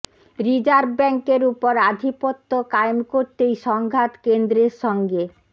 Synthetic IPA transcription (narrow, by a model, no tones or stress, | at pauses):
ɾid͡ʑaɾbɛŋkeɾupoɾad̪ʱipot̪ːokajmkoɾt̪ejʃɔŋɡʱat̪kend̪ɾeɾʃɔŋɡe